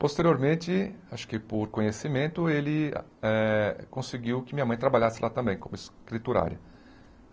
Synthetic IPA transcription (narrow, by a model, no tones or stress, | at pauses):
post̪eɾioɾmẽnt̪ɪaʃʊ̥kɪpoɾkõɲesimẽnt̪ʊelɪ | ɛkõsɪɡiwkɪmĩɲɐmɐ̃j̃t̪ɾabaʎasɪlʔat̪ɐ̃mbẽj̃kõmʊɪskɾit̪uɾa̰ɾjɐ